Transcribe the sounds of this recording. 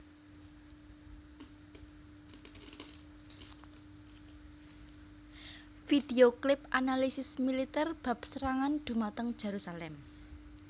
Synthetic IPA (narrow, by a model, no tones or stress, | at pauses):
fid̪eoklɪpʔanalisɪsmilit̪ɛrb̥a̤p̚səɾaŋand̪̥ṳmat̪əŋd̥ʒ̥eɾusalɛm